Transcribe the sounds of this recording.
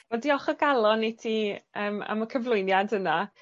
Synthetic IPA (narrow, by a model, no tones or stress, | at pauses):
mɛdiːɔχɔɡalˠɔnetʰiːəːma̰məkʰəvlˠʊɨnjadəna